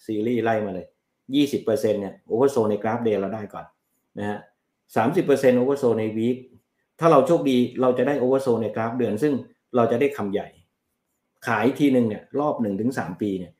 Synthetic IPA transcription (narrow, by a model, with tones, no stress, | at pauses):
siː˧ɾiː˥˩la˥˩jmaː˧lɤː˧j | jiː˥˩si˨˩pːɤː˧se˧nːi˥˩ɐʔoː˧˩wa˧˥˩soː˧na˧jkɾaː˦˥p̚deː˧ɾa˧wdaː˥˩jkɔ̰ː˨˩n | na˦˥ka˦˥ʔ | saː˩˦msi˨˩pːɤː˧se˧nʔoː˧˥wa˥˩soː˧na˧jwiː˦˥t̪̚ | t̪ʰaː˥˩ɾa˧wt͡ɕʰo˥˩k̚diː˧ɾa˧wt͡ɕa˨˩daː˥˩jʔoː˧wa˧˥˩soː˧na˧jkɾaː˦˥p̚dɯ˧ənsɯ˥˩ŋ | ɾa˧wt͡ɕa˨˩ʔdaː˥˩jkʰa˧mja˨˩j | kʰaː˩˦jʔt̪ʰiː˧nɯ˨˩ŋni˥˩ɐɾɔː˥˩p̚nɯ˨˩ŋt̪ʰɯ˩˦ŋsaː˩˦mpiː˧ni˥˩